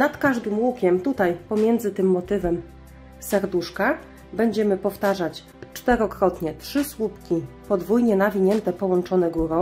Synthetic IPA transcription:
nat̪kaʐd̪ɘmwukʲɛmt̪ut̪ajpɔmʲjɛnd̪zɘt̪ɘmːɔt̪ɘvɛm | sɛɾd̪uʂka | bɛɲd͡ʑɛmɘpɔft̪aʐat͡ɕ | t͡ʂt̪ɛɾɔkɾɔt̪ɲɛtʂɘswupkʲipɔd̪vujɲɛnavʲiɲɛnt̪ɛpɔwɔnt͡ʂɔnɛɡuɾɔ̃

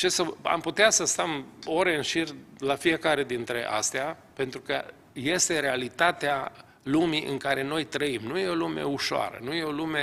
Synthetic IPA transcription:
t͡ʃesəa̰mput̪easəst̪əmoɾe̞ɨnʃirʲlafije̞kaɾe̞d̪int̪ɾe̞ʔa̰st̪eape̞nt̪ɾukə | je̞st̪e̞ɾe̞alit̪at̪ea | lumiʔɨ̰ŋkaɾe̞no̞jt̪ɾəimnuje̞o̞lume̞̰uʃoa̰ɾə̰nuje̞o̞lume̞

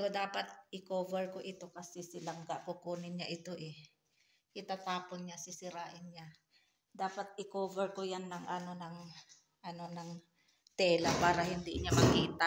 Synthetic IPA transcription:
ɡod̪aːpat̪̚ʔɪkoːvɛɹkoʔɪt̪o̞kɐsɛsɪlɐŋɡaʔkʊkuːnɪɲaʔɪt̪o̞ʔɛ | ʔɪt̪at̪aːponɲasɪsɪɾaːʔɪnɲa | d̪aːpɐt̪̚ɪkoːvɛɹkojanːɐŋʔɐno̞nɐŋ | ʔɐno̞nɐŋ | t̪ɛːlɐpaːɾɐhɪnd̪ɪɲamɐkiːt̪a

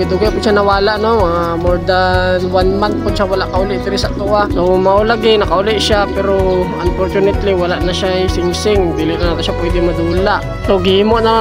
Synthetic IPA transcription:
ɪd̪uɡapʊd̪̚ʃanɐwaːlaʔnoamoɹd̪awanmant̪̚pʊd̪̚ʃawɐlaʔkɐʔʊlɪʔ̚t̪ɪɾɛsaʔ̚t̪uʔanomɐʔolaɡɪnɐkɐʔʊlɪʔʃapɛɾoɐmfoɾt͡ʃunɛt̪liwɐlaʔnɐʃajsɪŋsɪŋb̪iːlɪʔnɐnaːt̪oʃapwɛːd̪ɪŋmɐd̪uːlaʔ | sowɡɪhiːmoʔna

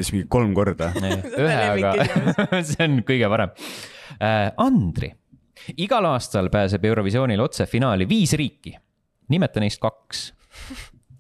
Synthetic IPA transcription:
ismiŋɡikːo̞lmko̞rd̪̥ɑyɦeɑɡ̥ɑ | seonkɤjɡ̥epɑɾem | ʔɑnd̪̥rḭ | iɡ̥ɑlɑːst̪ɑlpæːs̬e̞be̞wɾo̞visio̞ːnʲilo̞t̪sefinɑːliviːsriːkːi | nimɛt̪ːˑɑnejst̪̚kɑks

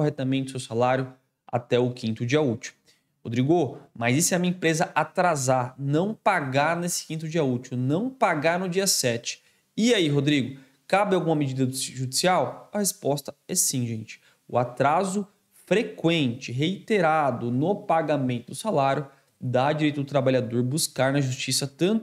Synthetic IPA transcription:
oɦɛt̪ɐmẽnt̪ʊsewsalaɾjʊ | a̰t̪ɛʊkĩnt̪ʊd͡ʒiɐut͡ʃɪmʊ | hod̪ɾiɡomajzisɛmĩmɐẽpɾezɐʔat̪ɾazaɾnɐ̃w̃paɡaɾnesɪ̥kĩnt̪ʊd͡ʒiɐut͡ʃiwnɐ̃w̃paɡaɾnʊd͡ʒiɐsɛt͡ʃɪ̥ | iaiɦod̪ɾiɡʊ | kabɪawɡũmɐmed͡ʒid̪ɐd̪ʒud͡ʒisiawɐhespɔst̪ɐɛsĩʒẽnt͡ʃɪ̥ | ʊ̰at̪ɾazʊ | fɾekwẽnt͡ʃɪɦeit̪eɾad̪ʊnʊpaɡamẽnt̪ʊd̪ʊsalaɾjʊ | d̪ad͡ʒiɾejt̪ʊd̪ʊt̪ɾabaʎad̪oɾbuskaɾnɐʒust͡ʃisɐt̪ɐ̃nt̪ʊ

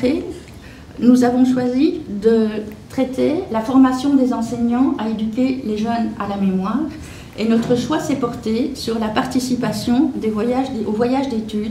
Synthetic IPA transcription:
e | nuzavɔ̃ʃwazid̪ət̪χɛt̪ʰelafɔʁmasjɔ̃d̪ezɑ̃sɛɲɑ̃aed̪ykʲeleʒœnalamemwaːʁ | enɔt̪χəʃwasɛpɔʁt̪esyʁlapaʁt̪isipasjɔ̃d̪evwajaʒd̪eovwajaʒd̪et̪yd̪

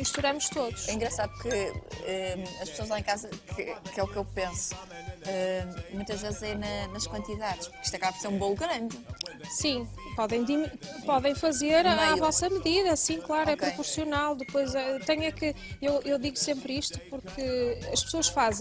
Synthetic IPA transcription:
iʃt̪uɾɐmuʃt̪oðuʃɛĩŋɡɾɐsaðupuɾkɨɛɐʃpsoɐzɐ̃ãẽkazɐkɨkɛukewpẽsu̥ | ɛmũj̃t̪ɐʒvezzɐinɐnɐʃkwɐ̃nt̪iðaðʃpuɾki̥ʃt̪ɐkaβɐpɾseɾũbõɣɾɐ̃nd̪ɨsĩ | pɔðẽj̃d̪impɔðẽj̃fɐzeɾavɔsɐmɨðiðɐsĩklˠaɾuɛpkpɾupuɾsiunalˠd̪ɨpojzɛt̪ɐɲɐkɨewʔewðiɣusẽmpɾiʃt̪u̥puɾkʰɨɐʃpɨ̥soɐʃfazẽ

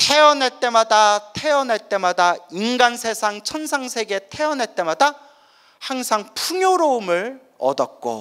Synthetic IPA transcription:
tʰeʌneɭt͈e̞madatʰeʌnɦeɭt͈e̞madainɡansʰe̞sʰaŋt͡ɕʰʌnsʰaŋsʰe̞ɡe̞tʰeʌnɦet͈e̞mada | haŋsʰaŋpʰuŋjoɾoumɯɭ | ʌ̰dʌt̚k͈o̰

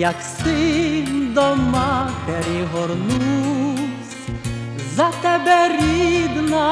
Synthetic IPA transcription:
jaksɨ | d̪ɔmat̪ɛɾiɦɔɾnu | sʲ | zat̪ɛbɛɾid̪na

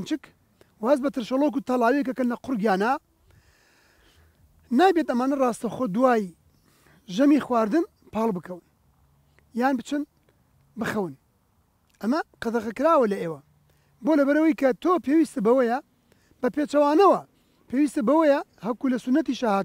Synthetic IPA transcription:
nt͡ʃɨk | wɐhɐzbɐt̪ɨɾʃɐlˠok̬ut̪ɐlˠaːwijɛkɐkɐnlɐqʊɾɡjaːnaː | naːjbet̪ɐmaːnɐrɑːst̪ɐxod̪uwaːj | ʒɐmiːxwaːɾd̪ɨn | pʰɑːlˠbɨkʰɐwɨn | jaːnbɨt͡ʃɨn | bɨxɐwɨn | ʔɐmɐqɐd̪ɐɣɐkɨɾaːwɐlɐʔeːwɐ | boːlɐbɐɾɐwɐjkɐt̪ʰoːpeːwist̪ɨbɐwɐjɐ | b̥ɐpet͡ʃɐwaːnɐwɐ | pʰeːwiːst̪ɐbɐwɐjɐhɐkulɐsʊnːɐt̪iʃahaːt̪

